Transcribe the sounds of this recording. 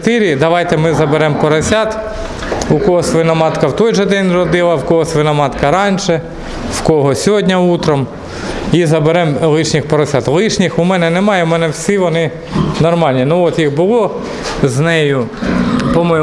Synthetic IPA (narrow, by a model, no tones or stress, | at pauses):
t̪ɪɾʲid̪ɐʋɑjt̪ɛmɪzɐbeɾɛmpɔɾɐsʲɑt̪ | ʊkɔɦɔsʲʋɪnɐmɑt̪kɐwt̪ɔjʒɛd̪ɛnʲrɔd̪ɪlˠɐwkɔɦɔsʲʋɪnɐmɑt̪kɐɾɑnʲʃɛ | wkɔɦɔsʲɔɦɔdʲnʲɐut̪ɾɔm | izɐbeɾɛmlˠɪʃnʲixpɔɾɐsʲɑt̪lˠɪʃnʲɪxʊmɛnɛnɛmɑjʊmɛnɛwsʲiʋɔnɪ | nɔrmɑlʲnʲinʊɔt̪jixbʊlˠɔ | znɛjʊ | pɔmɔj